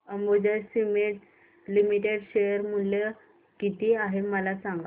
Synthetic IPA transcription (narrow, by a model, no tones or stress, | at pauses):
əmbod͡ʑəɾsimeʈ | limiʈeɽɕejəɾmuljə | kit̪iaɦeməlasãŋɡa